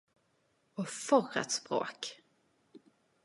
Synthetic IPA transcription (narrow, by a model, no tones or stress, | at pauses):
ɔfɔɾə̰t̪spɾo̰ːk